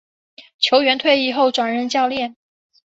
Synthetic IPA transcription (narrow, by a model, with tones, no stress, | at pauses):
t͡ɕʰjo˧˥ʊɥɛ˧˥nt̪ʰwe˥˧ɪi˥˩xo˥˩ʊʈ͡ʂwa˨˩nɻə˥˧nt͡ɕjɑ˥˧ʊljɛ˥˩n